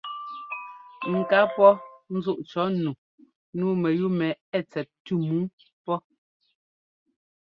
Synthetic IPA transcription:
ŋ̩˨ka˨˦pɔ˦n̩˦zu˦˨ʔt͡ʃɔ˨˦nu˨ | nuː˦mɛ˨ju˦mɛ˨ɛ˦˨t͡sɛ˨t̚tu˦mu˨˦ | pɔ˦

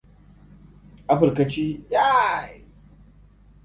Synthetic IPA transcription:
ʔa˦ɸɐ˨ɾkɐ˨t͡ʃiː˦ja˦˨j

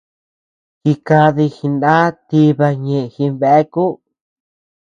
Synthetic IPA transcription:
ki˧ka˧ði˧xi˧ndã˦t̪i˧βa˧ɲẽ˧˨ʔe˧xĩ˧βe˧˨ʔe˦ku˦

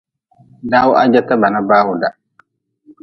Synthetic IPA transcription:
da˦wa̰˦d͡ʒa˦ta˦ba˨na˦ba˦hu˨da˨

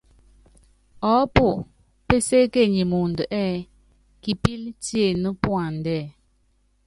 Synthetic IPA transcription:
ɔ˨˦po˨ʔ | pe˦se˦ke˦˨ɲi˨mu˨n˨də˨ʔɛː˦˨ | ki˨pi˦ltje˦˨nə˦pwa˨n̩˨dɛː˦˨

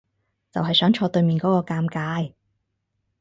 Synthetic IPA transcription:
t͡sɐ̰˨wɦɐ˨jsœː˨˥ŋt͡ʃʰɔː˧t̪ɵ˧ɥmiː˨nkɔː˨˥kɔː˧kaː˧mkaː˧j

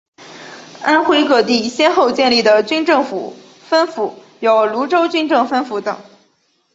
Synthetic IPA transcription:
a˥nxwe˥ɪkɤ˥˩t̪̬i˥˩ɕjɛ˥nxo˥˧ʊt͡ɕjɛ˥˧nli˥˩d̪ə˩t͡ɕy˥nʈ͡ʂɤ˥˩ŋfṵ˨˩˦ | fə˥nfu˨˩ | jo˨˩ʊlu˧˥ʈ͡ʂo˥ʊt͡ɕy˥nʈ͡ʂɤ˥˩ŋfə˥nfu˧˥t̪ɤ˨˩˦ŋ

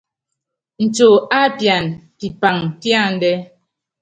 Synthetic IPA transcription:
n̩˨t͡ʃo˨a˦pja˨npi˨pa˨ŋtja˦˨n̩˨˦dɛ˦

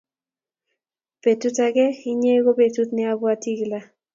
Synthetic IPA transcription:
pe˨tu˦ta˦ɡɛ˦ɪ˦ɲe˦ɡo˦be˨tu˦t̪nɪ˦a˦bwa˦ti˦ɡla˨

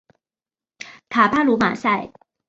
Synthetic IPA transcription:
t̪ʰa˨˩pʰa˥lu˧˥ma̰˨˩sa˥˩ɪ

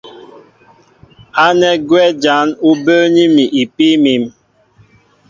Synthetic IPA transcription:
a˦nɛ˦ɡwɛ˦d͡ʒa˨˦nu˦bəː˦ni˦mi˨ʔi˨pi˦mi˨˦m

